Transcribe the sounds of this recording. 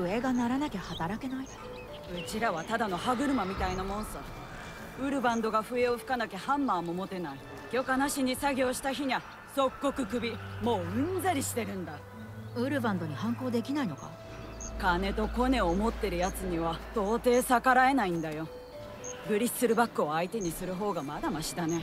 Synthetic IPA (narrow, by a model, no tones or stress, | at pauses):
ɸɯ̟e̞ɡanaɾanakʲehat̪aɾake̞nai | ɯ̟t͡ɕiɾaβ̞at̪ad̪ano̞haɡɯ̟ɾɯ̟mamʲit̪ainamõ̞nsa | ɯ̟ɾɯ̟bãnd̪o̞ɡaɸɯ̟e̞oɸɯ̥kanake̞hãmːaːmomo̞t̪e̞nai | ɡ̥ʲo̞kanaɕiɲ̟isaɡʲo̞ːɕi̥t̪açiɲ̟a | so̞kːo̞kɯ̟kɯ̟bʲimo̞ːɯ̟̃nzaɾʲiɕi̥t̪e̞ɾɯ̟̃nd̪a | ɯ̟ɾɯ̟bãnd̪o̞ɲ̟ihãŋko̞ːd̪e̞kʲinaino̞ka̰ | kane̞t̪o̞ko̞ne̞omo̞t̪ːe̞ɾɯ̟jat͡sɨɲ̟iβat̪o̞ːt̪e̞ːsakaɾae̞naĩnd̪ajo̞ | ɡɯ̟ɾʲisɨɾɯ̟bakːɯ̟oait̪e̞ɲ̟isɨɾɯ̟ɦo̞ːɡamad̪amaɕid̪ane̞